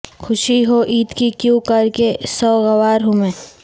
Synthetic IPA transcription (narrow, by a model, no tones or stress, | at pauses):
kʰʊʃiɦoʔiːt̪kikjũkɐɾkesɔːɣɐʋaːɾɦumẽː